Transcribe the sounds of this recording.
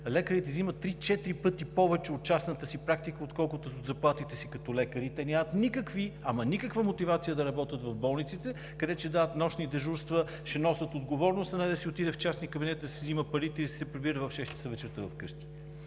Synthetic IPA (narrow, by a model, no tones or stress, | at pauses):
lɛkəɾit̪ɛzimət̪ːɾit͡ʃɛt̪ɾipɤt̪ipɔvɛt͡ʃɛot̪̚t͡ʃasnət̪əsipɾak̚t̪ikəot̪kɔlˠkʊt̪ozɐplˠat̪it̪ɛsikɐt̪ɔlɛkəɾit̪ɛnʲamət̪nikəkviɐmɐnikəkvəmot̪ivat̪sijəd̪ɐɾɐbɔt̪ət̪vɐvbɔlˠnit̪sit̪ɛ | kɐd̪ɛt͡ʃɛd̪aət̪nɔʃnid̪ɛʒuɾst̪və | ʃɛnɔsət̪od̪ɡovɔɾnost̪ɐnɛd̪ɐsiot̪id̪ɛft͡ʃasnikəbinɛt̪id̪ɐsɛziməpɐɾit̪ɛisɛpɾibiɾəvɐfʃɛʃt̪i̥səvɛt͡ʃɛɾt̪əvɐfkɤʃt̪i̥